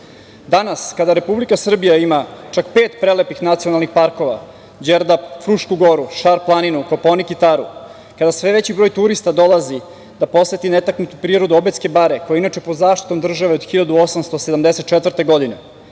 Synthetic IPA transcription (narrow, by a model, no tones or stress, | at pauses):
d̪anaskad̪aɾe̞publikasr̩bijaimat͡ʃakpeːt̪pɾelepixnat̪sijo̞nalˠnixpaɾko̞ʋa̰ | d͡ʑeɾd̪afɾuʃkuɡo̞ɾuʃaɾplˠaninukopo̞nikit̪aɾu | kad̪asʋeʋet͡ɕibɾojt̪uɾist̪ad̪o̞lˠazi | d̪apo̞sʋet̪inet̪aknut̪upɾiːɾo̞d̪uobet̪ske̞baɾekojeinat͡ʃepod̪zaːʃt̪i̥t̪o̞md̪r̩ʒaʋeod̪xiʎad̪uo̞samst̪o̞sed̪amd̪eset̪̚t͡ʃet̪ʋər̩t̪e̞ɡo̞d̪ine̞